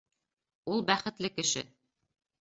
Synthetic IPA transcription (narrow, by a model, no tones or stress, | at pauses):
ulˠbæχɘ̆t̪lɘkɘ̆ʃɘ̰